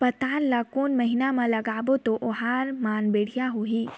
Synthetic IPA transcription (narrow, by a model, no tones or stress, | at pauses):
pɐt̪aːnlakuːnmɐɦɪnamãlɐɡaːbot̪oʔoɦaːɾmaːnbeːɽ̤ijaɦoːɦiː